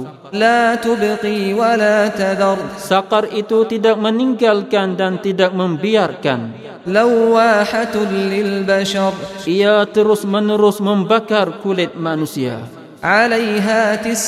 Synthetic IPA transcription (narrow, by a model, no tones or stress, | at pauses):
laːt̪ʊbqiːwalaːt̪ad̪ɑɾˤsakarʔit̪ut̪idak̚məniŋɡalkandant̪idak̚məmbiarka̰n | lawːaːħat̪nlɪlbaʃɑɾˤʔijat̪əɾʊsmənəɾʊsmə̃mbakarkulɪt̪̚manusia̰ | ʕalajɦaːt̪ɪs